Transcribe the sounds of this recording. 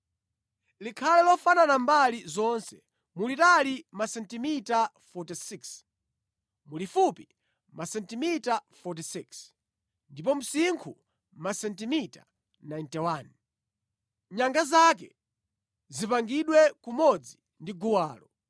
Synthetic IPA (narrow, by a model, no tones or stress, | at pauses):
likʰalɛlɔfananambalizɔnsɛ | mulitalimasɛntimita | fɔtisiks | mulifupi | masɛntimitafɔt̬isiks | ndipɔm̩siŋkʰu | masɛntimitḁ̰ | najntɛwan | ɲaŋɡazak̬ɛ̰ | zipaŋɡiɗwɛkumɔd͡zi | ndiɡuwaːlɔ